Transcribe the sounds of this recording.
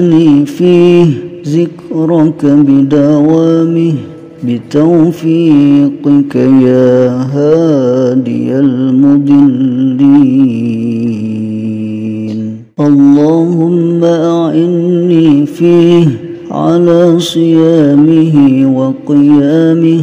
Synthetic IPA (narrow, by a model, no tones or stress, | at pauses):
niːfiːhzɪkɾˤɑkabɪd̪awaːmɪh | bɪt̪awfiːqɪkajaːɦaːd̪ɪ̰jalmʊd̪ˤɨlːi | n | ʔɑlːɑːhʊmːaʔaʕɪnniːfiːh | ʕa̰laːsˤɨjaːmɪɦɪwɑqɨjaːmɪh